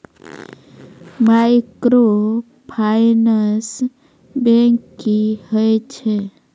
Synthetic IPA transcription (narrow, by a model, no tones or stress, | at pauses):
majkɾo | pʰajnəs | bẽŋkihəjt͡ʃʰɛ